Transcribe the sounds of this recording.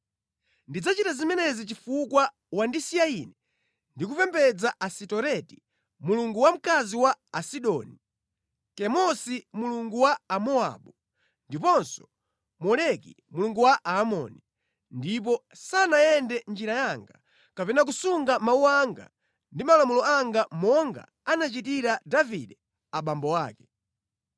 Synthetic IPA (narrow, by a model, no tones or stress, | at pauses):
ndid͡zat͡ʃitazimɛnɛzit͡ʃifukwa | wandisijainɛ | ndik̬upɛmbɛd͡zaʔasitɔɾɛti | muluŋɡuwam̩kaziwaːsiɗɔːni | kɛmɔsimuluŋɡuwaːmɔa̰ɓu | ndipɔnsɔ̥ | mɔlɛkḭ | muluŋɡuwaʔaːmɔ̰ni | ndip̬ɔ | sanajɛndɛnd͡ʒiɾajaŋɡa | kapɛnak̬usuŋɡamauwaŋɡa̰ | ndimalamulɔaŋɡamɔŋɡa̰ | anat͡ʃitiɾadavḭɗɛ | aɓambɔwaːkɛ̥